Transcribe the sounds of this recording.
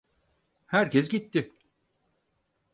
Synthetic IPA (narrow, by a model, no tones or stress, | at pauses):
hæɾcʰɛsɟit̪ʰːɪ